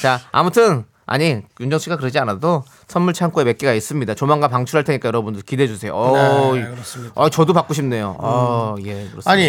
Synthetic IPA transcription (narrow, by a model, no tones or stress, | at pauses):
t͡ɕaa̰mutʰɯn | a̰ɲijund͡ʑʌŋɕ͈ʰiɡakɯɾɯd͡ʑianado | sʰʌnmuɭt͡ɕʰank͈ueme̞t̚k͈eɡais͈ɯmɲidat͡ɕomaŋɡapaŋt͡ɕʰuɾɦaɭtʰeɲik͈ajʌɾʌbundɯɭkide̞d͡ʑusʰe̞jo̰ʌiʌt͡ɕʌdopak͈uɕʰimne̞joʌjekɯɾʌaɲi